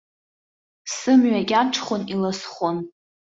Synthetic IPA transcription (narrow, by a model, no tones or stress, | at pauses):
sɨmɥaɡʲaʈ͡ʂʰχʷonilasχʷon